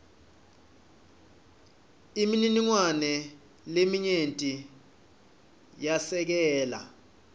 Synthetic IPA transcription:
imininiŋwanɛ | lemiɲentʼi | jasɛk̬ɛːla̰

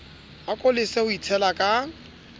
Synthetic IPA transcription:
akʼolɪseʊit͡sʰɛlakʼa

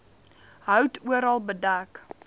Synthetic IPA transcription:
ɦəwtʰuəɾɑlˠbədak

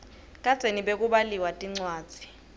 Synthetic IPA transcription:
kʼḁz̥ʱeniɓek̬ʼuɓaliwatʼiŋ͡ǀwaːd̥z̥ʱi̥

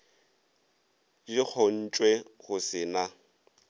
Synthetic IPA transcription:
d͡ʒɪk͡xʰɔn̩t͡ʃʼwɛɣʊsɪna

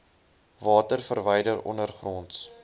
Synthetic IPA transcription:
vɑːtərfərvəjdəɾɔ̰nərχrɔnts

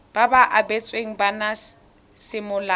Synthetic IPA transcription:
b̥abaʔabet͡sʼweŋ̩bana | sɪmʊla

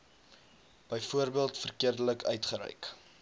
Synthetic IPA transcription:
b̥əjfuərbiəlˠtfərkiərdələkœ̰ɥtχəɾœ̰ɥk

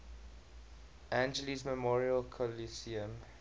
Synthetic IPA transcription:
ʔæ̃nd͡ʒəlizməmɔɹiəlkʰɔlisiə̃m

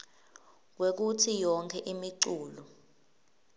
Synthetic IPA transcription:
k̬wek̬utʰijɔŋkʰɛʔimiǀuːlɔ

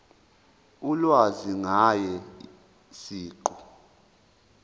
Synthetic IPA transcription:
ulwaziŋajɛ | siːǃɔ

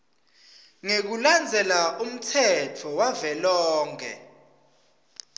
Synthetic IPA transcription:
ŋek̬uland͡zʱɛlaʔum̩tʰɛtʰɔwavɛlɔːŋɛ̰

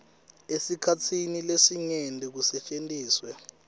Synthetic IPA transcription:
esikʰatʰinilesiŋɛndʱʼɛk̬usɛt͡ʃʼentʼiːswɛ

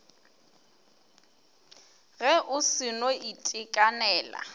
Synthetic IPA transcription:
ɣɛʔʊsɪnoitʼɪkʼanɛːla̰

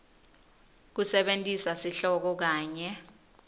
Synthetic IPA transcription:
k̬usɛɓentʼisasiɬɔk̬ɔk̬aːɲɛ

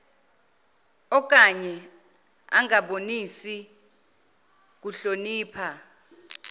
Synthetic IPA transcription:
ɔk̬ʼaɲɛ | a̰ŋaɓonisi | k̬uɬoniːpʰa

